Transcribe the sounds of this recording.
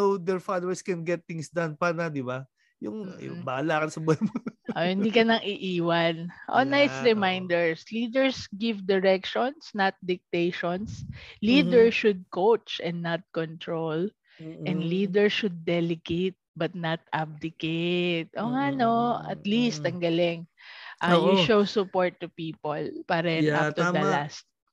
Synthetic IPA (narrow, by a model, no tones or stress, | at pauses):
owd̪ɛɹfad̪owɛɹskɛnɡɛt̪̚ːɪŋsd̪anpanɐd̪ɪba | jʊŋjʊ̰baalaːkɐnsɐbɛlmoʔohɪ̃nd̪ikɐnɐŋʔɪʔiːwɐnʔo̰najsɹɛmajnd̪ɛɹsliːd̪ɛɹsɡɪvd̪ɪɹɛk̚ʃɔnsnɐt̪̚d̪ɪk̚t̪ejʃonsliːd̪ɛɹʃʊd̪̚kowt͡ʃʔɛ̃nd̪nːɐt̪̚kɔnt̪ɹol | ʔɛ̃nd̪liːd̪ɛɹʃʊd̪̚ːɛlɛɡejt̪̚bɐt̪̚nɐt̪̚ʔab̚d̪ɪket̪̚ʔoŋanoɐ̰t̪list̪ɐŋɡɐlɪŋʔajuʃowsʊpoɹt̪ːʊpiːpolpaːɾɐjɐʔapt̪ʊd̪ɐlast̪̚